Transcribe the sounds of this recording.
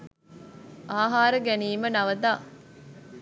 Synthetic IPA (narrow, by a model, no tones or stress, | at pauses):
ʔaːɦaːɾəɡæniːmɐnɐʋɐd̪aː